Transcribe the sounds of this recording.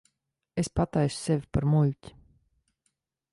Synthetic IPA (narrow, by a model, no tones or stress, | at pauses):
espat̪ajsʊ̥sevʲipaɾmulʲtʲi̥